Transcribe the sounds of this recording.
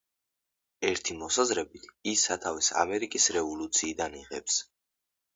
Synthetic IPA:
ɛɾt̪ʰimɔsazɾɛbit̪ʰisat̪ʰavisa̰mɛɾikʼisɾɛvɔlut̪sʰiːd̪aniʁɛps

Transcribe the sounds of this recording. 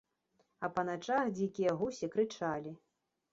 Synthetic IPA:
ɐpɐnat͡ʂaxd͡zʲikʲijɐɣusʲikɾɨt͡ʂalʲi

